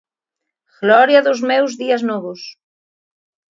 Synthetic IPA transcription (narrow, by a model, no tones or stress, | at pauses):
ɣlɔɾjɐðʊzmɛwzðiɐznɔβʊs